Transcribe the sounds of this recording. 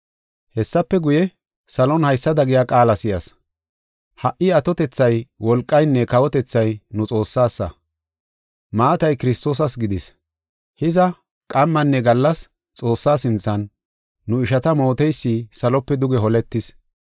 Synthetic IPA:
hɛsːɐpːɛɡʊjɛ | sɐlɔnhɐjsːɐd̪ɐɡɪjakʼaːlɐsɪjɐ̰s | hɐʔɪɐt̪ɔt̪ɛt͡sːɐjwɔlkʼːɐjnːɛkɐwɔt̪ɛt͡sːɐjnʊt͡sʼo̞ːsːaːsːɐ̰ | maːt̪ɐjkɪɾɪst̪o̞ːs̬ɐsɡɪd̪ɪs | hɪzɐ | kʼɐmːɐnːɛɡɐlːɐs | t͡sʼo̞ːsːaːsɪnt͡sːɐnː | ʊɪʃɐt̪ɐmo̞ːt̪ɛjsːiːsɐlɔpːɛd̪ʊɡɛɦɔlɛt̪ːɪs

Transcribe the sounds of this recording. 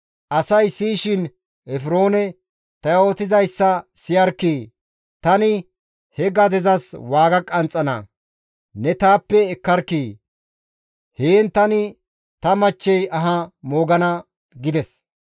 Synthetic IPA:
ʔɐsɐjsiːʃɪn | ɛfɾo̞ːnɛ | t̪ɐjo̞ːt̪ɪzɐjsːɐsɪjɐɾkiː | t̪ɐnɪ | hɛɡɐd̪ɛzɐswaːɡɐkʼɐnt͡sʼɐnɐ̰ | nɛt̪aːpːɛːkːɐɾkːiː | heːnt̪ɐnɪ | t̪ɐmɐt͡ʃːɛjɐɦɐmoːɡɐnɐ | ɡɪd̪ɛs

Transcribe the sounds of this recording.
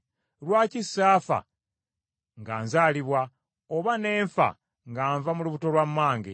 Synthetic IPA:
lwaːcisːaːfa̰ | ŋɡaːnzaːliβwa | oβane̞ːɱfa̰ | ŋɡaːɱvamuluβuto̞lwamːaːŋɡḛ

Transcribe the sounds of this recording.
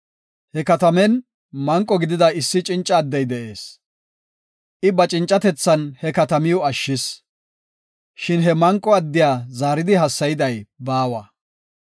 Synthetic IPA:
hɛkɐt̪ɐmɛn | mɐŋkʼːɔɡɪd̪ɪd̪ɐɪsːɪt͡ʃʼɪnt͡ʃʼːɐːd̪ːɛjd̪ɛʔe̞ːs | ʔɪbɐt͡ʃʼɪnt͡ʃʼːɐt̪ɛt͡sːɐnhɛkɐt̪ɐmɪjʊɐʃːɪs | ʃɪnɦɛmɐŋkʼːɔɐd̪ːɪjaːzaːɾɪd̪ɪɦɐsːɐjɪd̪ɐjbaːwɐ

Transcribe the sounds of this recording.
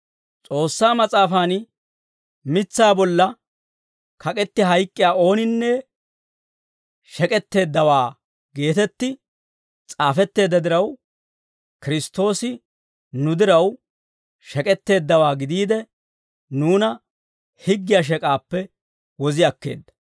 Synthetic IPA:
t͡sʼo̞ːsːaːmɐt͡sʼaːfaːn | mɪt͡sːaːbɔlːɐ | kʰɐkʼɛt̪ːɪɦɐjkʼːɪjaːo̞ːnɪnːɛ | ʃɛkʼɛt̪ːe̞ːd̪ːɐwaː | ɡe̞ːt̪ɛt̪ːɪ | t͡sʼaːfɛt̪ːe̞ːd̪ːɐd̪ɪɾɐw | kɪɾɪst̪ːo̞ːsɪ | nʊd̪ɪɾɐw | ʃɛkʼɛt̪ːe̞ːd̪ːɐwaːɡɪd̪iːd̪ɛ | nuːnɐ | hɪɡːɪjaːʃ̬ɛkʼaːpːɛ | wɔzɪjɐkːe̞̰ːd̪ːɐ̥

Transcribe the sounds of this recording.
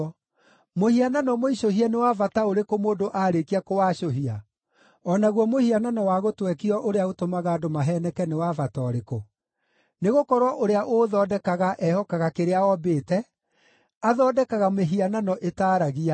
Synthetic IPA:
mohiananɔmoiɕohianewavataoɾekomoːdoʔaɾekiakowaːʃoɦia | ɔnaɣwɔmohiananɔwaɣotwɛkiɔʔoɾeaotomaɣaːdomaɦɛnɛkɛnewavatɔɾeko | neɣokɔɾwɔʔoɾeaʔoðɔːdɛkaɣaʔɛhɔkaɣakeɾeaɔbeːtɛ | aðɔːdɛkaɣameɦiananɔʔetaːɾaɣia

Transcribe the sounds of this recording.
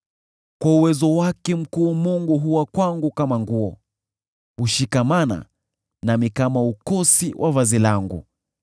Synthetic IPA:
kwauwɛzɔwakɛm̩kuːmuŋɡuɦuwakwaŋɡukamaŋɡuɔ | uʃikamana̰ | namikamaukɔsiwʔavazilaŋɡṵ

